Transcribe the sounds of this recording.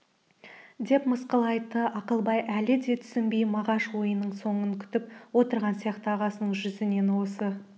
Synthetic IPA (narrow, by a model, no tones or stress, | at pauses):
d̪e̞pməsqəlˠɑjt̪əʔɑqəlˠbɑjʔælɪd̪e̞t̪ʰʏ̥sɪnbejmɑʁɑʃwo̞jənːəɴso̞ɴəŋkʲʰʏ̥t̪ɪp̚wo̞t̪əɾʁɑnsijɑqt̪əɑʁɑsənəɴʒʏzɪne̞nwo̞sə